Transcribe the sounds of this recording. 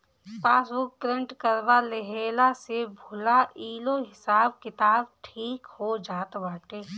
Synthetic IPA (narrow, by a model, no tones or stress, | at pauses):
paːsʊk̚tɾẽɳʈkəɾbaleɦeːlasebʱʊlaiːloɦɪsaːbkɪt̪aːbʈʰiːkhod͡ʒaːt̪baːʈeː